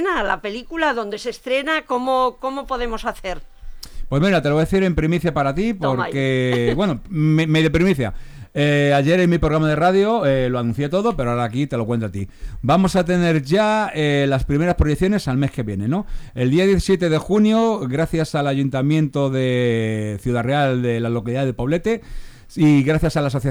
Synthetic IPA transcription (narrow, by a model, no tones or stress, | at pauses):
nala̰pe̞likulaðo̞nd̪e̞sest̪ɾe̞nakomoko̞mo̞po̞ðe̞mo̞saθe̞ɾpwe̞zmiɾat̪eoðeθiɾe̞mpɾimiθjapaɾat̪ipo̞ɾke̞βwe̞nomemejðepɾimiθja̰eaʝe̞ɾenmipɾoɣɾamaðe̞raðjo̞eloanũ̟θje̞t̪o̞ðo̞pe̞ɾoaɾakit̪e̞lo̞kwe̞nt̪at̪ibamo̞sat̪e̞ne̞ɾʝaelaspɾime̞ɾaspɾo̞jeθjo̞ne̞salme̞ske̞βje̞ne̞no̞e̞ld̪iaðje̞θisje̞t̪e̞ðe̞xunjo̞ɣɾaθjasalaʝunt̪amjẽ̞nt̪o̞ðe̞θjuðareald̪e̞lalo̞kaliðaðepoβle̞t̪e̞ | iɣɾaθjasalas̬o̞θja